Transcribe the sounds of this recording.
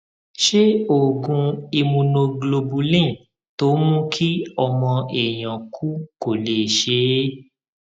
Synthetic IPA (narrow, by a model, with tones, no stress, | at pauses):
ʃe˦o˦˨ɡũ˧i˧mũ˧nõ˧ɡlo˧bu˧lĩ˦˨ | to˦mũ˦kʰi˦ɔ˧mɔ̃˧ɛ˨j̃ã˨kʰu˦ko˨le˨ʃe˨˦